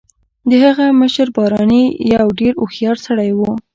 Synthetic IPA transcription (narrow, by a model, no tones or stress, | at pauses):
d̪əhaɣaməʃəɾbɑɾɑnəjawɖeɾoxjɑɾsaɽajwu